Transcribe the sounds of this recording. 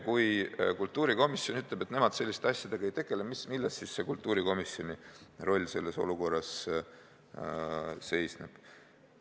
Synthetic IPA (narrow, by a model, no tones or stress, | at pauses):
kujkult̪ːˑuːɾiko̞misjo̞nyt̪ːˑlebet̪ne̞mɑd̪̥se̞lːist̪eɑsʲjɑd̪̥eɡ̥ɑejt̪e̞ɡ̥e̞lemismilːɑst̪sisse̞kult̪ːˑuːɾiko̞misjo̞niro̞lʲːse̞lːe̞so̞̰luko̞rːɑs | se̞jsneb̥